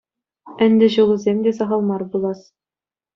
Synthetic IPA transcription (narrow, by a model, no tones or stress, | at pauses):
ɘ̆nʲd̪ʲɘ̆ʑɤ̆lˠuzʲemd̪ʲezɑʁɑlˠmɑrbulˠɑs